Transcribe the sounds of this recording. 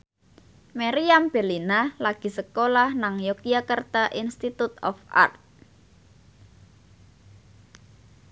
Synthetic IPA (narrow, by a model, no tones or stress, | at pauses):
maɾiamb̥e̤linalaɡ̥i̤səkolahnaŋjokiakərt̪aʔinst̪it̪ut̪ɔ̰fa̰rt̪̚